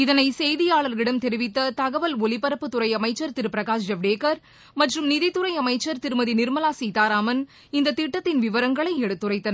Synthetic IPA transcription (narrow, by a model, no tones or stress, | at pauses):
ɪðɐnɐɪsɛjðɪjaːɭɐɾɣɪɽɐmt̪ɛɾɪʋɪt̪ːɐt̪ɐɣɐʋɐlɔlɪpɐɾɐpːɯt̪ʊɾɐɪɐmɐɪt͡ʃːɐɾt̪ɪɾɯpɪɾɐɣaːs̬d͡ʒɐʋɖeːkɐɾ | mɐʈrɯmnɪðɪt̪ːʊɾɐɪɐmɐɪt͡ʃːɐɾt̪ɪɾɯmɐðinɪɾmɐlaːsiːt̪aːɾaːmɐn | ɪnd̪ɐt̪ɪʈːɐt̪ːɪnʋɪʋɐɾɐŋɡɐɭɐɪɛɽɯt̪ːɯrɐɪt̪ːɐnɐ